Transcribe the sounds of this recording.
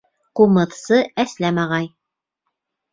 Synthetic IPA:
qumɤ̆ðsɤæslæmɑʁɑj

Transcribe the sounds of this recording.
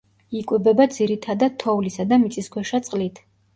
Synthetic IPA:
ikʼwɛbɛbad̪ziɾit̪ʰad̪ad̪̥̚t̪ʰɔvlisad̪amit̪sʼiskʰwɛʃat̪sʼqʼlit̪ʰ

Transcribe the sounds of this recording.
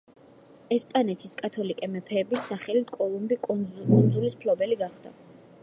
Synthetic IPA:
ɛspʼanɛt̪ʰiskʼat̪ʰɔlikʼɛmɛpʰɛːbisːaχɛlit̪ʰkʼɔlˠumbikʼund̪zulispʰlɔbɛliɡaχd̪̥a̰

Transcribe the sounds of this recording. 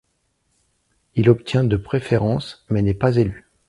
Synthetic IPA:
ilɔpt̪jɛ̃d̪əpχefeʁɑ̃smɛnɛpazely

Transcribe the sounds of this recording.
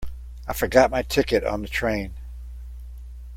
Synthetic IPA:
aɪfə˞ɡɑt̚maɪtʰɪkɨɾn̩ðɨtʰɹ̥ẽɪ̃n

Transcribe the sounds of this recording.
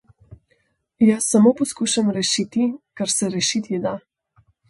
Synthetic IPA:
jasːamopɔskuːʃamɾɛʃit̪ikaɾsɛɾɛʃit̪id̪a

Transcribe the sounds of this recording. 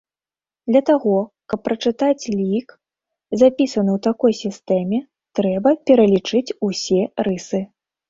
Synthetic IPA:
d̪lʲɐt̪aɣɔkɐpːɾɐt͡ʂɨt̪at͡sʲlʲik | zapʲisɐnɨwt̪akɔjsʲist̪ɛmʲɛ | t̪ɾɛbɐpʲɛɾɐlʲit͡ʂɨt͡sʲusʲɛɾɨsɨ

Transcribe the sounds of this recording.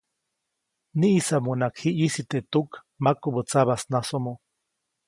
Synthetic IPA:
niʔisamunakhiʔjisit̪eʔt̪uk | makobət͡saβasnasomo

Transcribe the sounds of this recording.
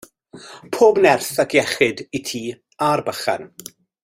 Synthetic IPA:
pʰoːbnɛrθakʰjɛχɪditʰiː | arbəχa̰n

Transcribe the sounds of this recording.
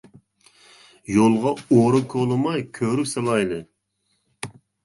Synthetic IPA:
jolˠʁɑoɾɨkʰolˠɨmɑjkʲʰøɾyselˠɑjlˠɨ

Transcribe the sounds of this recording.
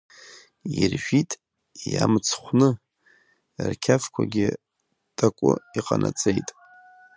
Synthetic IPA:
irʒᶣitʼ | jamt͡sʰχʷnɨ | rkʲʰafkʷʰaɡʲɪ | tʼakʷʼʊiqʼanʔat͡sʼejtʼ

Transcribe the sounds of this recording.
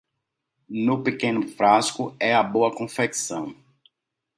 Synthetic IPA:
nʊpekẽnʊfɾaskʊɛɐboɐkõfeksɐ̃w̃

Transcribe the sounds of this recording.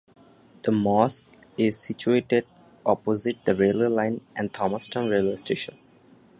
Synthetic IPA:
d̪̥əmɔːsk | ɪzsit͡ʃueːʈeɖ | ʔɔpozɪʈ̚d̪əɾeːləɾlãɪ̃nʔɛ̃ɳɖ̚t̪ʰɔməsʈə̃nɾeːləɾsʈeːʃə̃n

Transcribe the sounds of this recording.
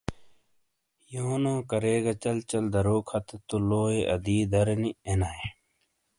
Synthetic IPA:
joːnõːkɐɾeːɡɐt͡ɕɐlt͡ɕɐld̪ɐɾoːkʰɐt̪et̪uloːeʔɐd̪iːd̪ɐɾenienae

